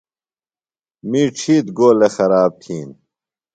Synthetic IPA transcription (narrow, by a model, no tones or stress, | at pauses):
miʈ͡ʂʰiːt̪ɡoːlexɐɾaːb̚t̪ʰiːn